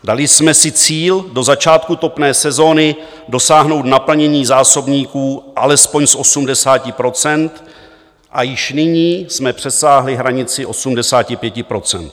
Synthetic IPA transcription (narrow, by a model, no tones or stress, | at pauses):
dalɪsmɛsɪt͡siːldo̞zat͡ʃaːt̪̚kut̪o̞pnɛːsɛzo̞ːnɪ | do̞saːɦno̞wt̪napl̩ɲɛɲiːzaːso̞bɲiːkuːʔalɛspo̞ɲsʔo̞sumdɛsaːcɪpɾo̞t͡sɛnt̪ | ʔajɪʃnɪɲiːsmɛpr̝̥ɛsaːɦlɪɦɾaɲɪt͡sɪʔo̞sumdɛsaːcɪpjɛcɪpɾo̞t͡sɛ̰nt̪